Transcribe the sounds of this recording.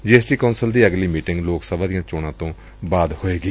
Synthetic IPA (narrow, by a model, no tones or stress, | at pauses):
d͡ʒeːɛsʈiːkaʊnsəld̪iːəɡliːmiːʈɪ̃ŋɡloːksəbãːd̪ɪjãːt͡ʃoːɽãːt̪õː | baːd̪hoːeːɡiː